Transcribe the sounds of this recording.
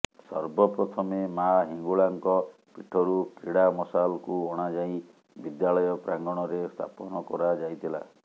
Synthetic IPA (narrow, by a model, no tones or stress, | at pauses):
sɔ̰ɾbɔpɾɔt̪ʰɔmemaɦiŋɡuɭaŋkɔ | piʈʰɔɾukiɽamɔsalɔkuɔɽ̃ad͡ʒaĩ | bid̪jalɔjɔpɾaŋɡɔɽ̃ɔɾest̪ʰa̰pɔnɔkɔɾad͡ʒajt̪ʰila̰